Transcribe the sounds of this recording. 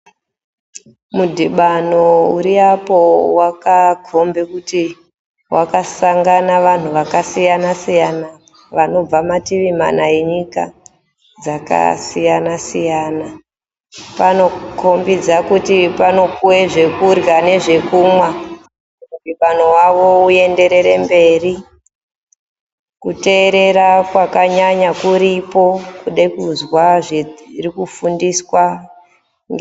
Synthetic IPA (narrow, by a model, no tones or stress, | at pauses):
mudʱiɓanouɾiapowakaɡʱo̞mbekuti | wʔakasaŋɡanaʋan̤uʋakasijanasijana | ʋano̞b͡vamatiʋim̤a̰naje̞ɲika | d͡zaka̰sijanasijaːna | pano̞ko̞mbid͡zakutipano̞puwe̞ʐe̞kurɣane̞ʐe̞kuːmwa | mupiɓanowaʋo̞uje̞nde̞ɾe̞ɾe̞mbe̞ːri | kute̞ːɾe̞ɾakwakaɲaɲakuɾipo̞kuɗekuzwaʐirikufundiswa | ŋɡ